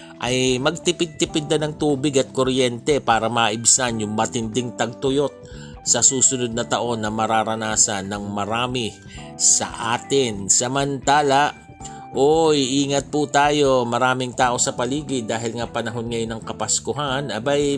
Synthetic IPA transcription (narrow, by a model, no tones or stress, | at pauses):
ʔɐjmɐɡ̚t̪ɪpɪd̪̚t̪ɪpɪd̪ːɐnɐŋt̪uːbɪɡɐt̪̚koɾjɛnt̪ɛpaːɾɐmaːʔɪbsanjʊŋmɐt̪ɪnd̪ɪŋt̪ɐɡ̚t̪ʊjo̞t̪̚ | sɐsuːsʊnod̪̚nɐt̪ɐʔo̞nːɐmɐɾaːɾɐnaːsɐnːɐŋmɐɾaːmɪ | sɐ̰ʔaːt̪ɪnsɐmɐnt̪aːlɐʔ | ʔojʔiːŋɐt̪̚put̪aːjo̞mɐɾaːmɪŋt̪aːʔo̞sɐpɐliːɡɪd̪aːɦɪlŋɐpɐnɐɦo̞nŋɐjonɐŋkɐpɐskʊɦanɐbaj